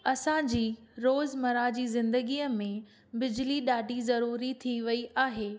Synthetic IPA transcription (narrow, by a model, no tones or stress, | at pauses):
ɐsãd͡ʑiːɾoːzmɐɾad͡ʑiːzɪ̃nd̪əɡiːəmẽ | bɪd͡ʑliɗaːɖʱizɐɾuːɾit̪ʰiʋɐiʔaːɦeː